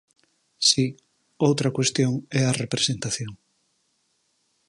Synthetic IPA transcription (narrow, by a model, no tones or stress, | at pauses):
si | owt̪ɾakwe̞st̪joŋɛarepɾesent̪aθjoŋ